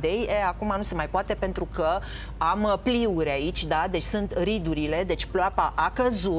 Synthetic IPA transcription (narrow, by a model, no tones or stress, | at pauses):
d̪ejeakumanuse̞majpoat̪e̞pe̞nt̪ɾukə | ampliuɾʲait͡ʃʲd̪ad̪e̞t͡ʃʲsunt̪rid̪uɾile̞d̪e̞t͡ʃʲploapaʔakəzu